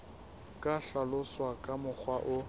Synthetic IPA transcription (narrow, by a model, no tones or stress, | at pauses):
kʼaɬalʊswakʼamʊk͡xʰwaʔʊ